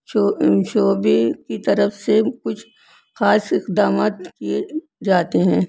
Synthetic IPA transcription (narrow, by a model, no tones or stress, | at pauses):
oʃoːbekit̪ɐɾəfsekʊt͡ʃʰ | xaːsɪqd̪aːmaːt̪kie | d͡ʒaːt̪eɦɛ̃ː